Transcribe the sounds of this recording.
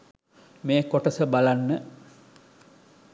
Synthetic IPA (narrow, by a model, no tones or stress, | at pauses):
meːkoʈəsəbalanːə